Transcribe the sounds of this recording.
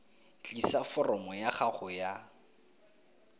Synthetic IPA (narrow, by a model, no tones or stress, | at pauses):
t͡ɬʼisafɔrɔmɔjaχaχʊja